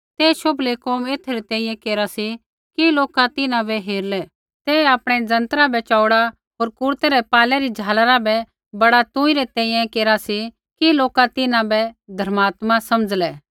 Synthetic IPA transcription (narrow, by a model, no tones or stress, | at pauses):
t̪eːʃoblekoːmeːt̪ʰɾɛt̪ɛ̃ːĩːjɛ̃keːɾasi | kiloːkat̪ɪnãbɛɦeːɾlɛ | t̪ɛːaːpɽ̃ɛd͡zɐ̃nt̪əɾabɛt͡ʃaːʊɽa | ɦoːɾkʊɾt̪ɛɾɛpaːlɛɾid͡ʒʱaːlaɾabɛ | bɐɽat̪ʊ̃ːiɾɛt̪ɛ̃ːĩjɛ̃keːɾasi | kiloːkat̪ɪnãbɛd̪ʱɐɾmaːt̪masɐməd͡zlɛː